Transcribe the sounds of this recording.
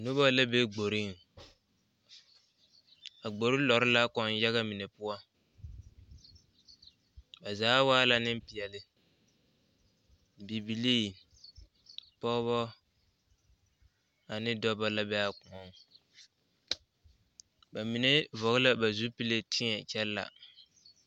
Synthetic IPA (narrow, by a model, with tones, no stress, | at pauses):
nʊ˦ba˦la˦be˦ɡ͡bo˨ɾɪ˦ŋ | a˨ɡ͡bo˨ɾɪ˦lɔ˨ɾɪ˦la˦kɔ˨n˦ja˦ɣa˦mi˨ne˨pʊ˦a˦ | ba˨zaː˨˦waː˦la˦nɪ˦m˦pɪ˨ɛ˨lɪ˦ | bi˨bi˨liː˦ | pɔ˦βɔ˦ | a˨nɪ˦dɔ˦ba˦la˦bɛ˦a˦ku˨ɔ˨˦ŋ | ba˨mi˨ne˦vɔ˨ɣɪ˦la˦ba˨zu˦pi˦le˦tʰɪ˦ɲɛ˨t͡ʃɛ˦lla̰˨